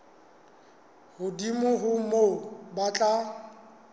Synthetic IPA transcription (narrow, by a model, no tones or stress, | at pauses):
hʊdimʊɦʊmobat͡ɬʼa